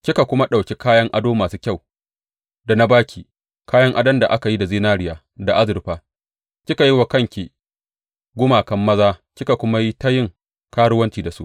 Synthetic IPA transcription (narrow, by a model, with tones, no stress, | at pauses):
kʲɪ˦ka˨kʷʊ˦ma˦ɗa˨wkʲe˦kaː˦jɐ˦ŋʔa˦doː˦maː˨suː˦kʲa˦˨w | da˨na˦baː˦kʲiː˨ | kaː˦jɐ˦ŋʔa˦dɐ˦nda˨ʔa˦ka˨ji˦da˨ziː˦naː˦ɽɪ˦jaː˨ | da˨ʔa˦zɪ˨ɾɸaː˦ | kʲɪ˦ka˨ji˦wa˨kɐ˦ŋkʲi˨ | ɡʷʊ˦maː˨kɐ˦mːɐ˦zaː˦kʲɪ˦ka˨kʷʊ˦ma˦ji˦ta˦jɪ˦ŋ | kaː˦ɽʊ˦wɐ˦nt͡ʃiː˦˨da˨su˦ʔ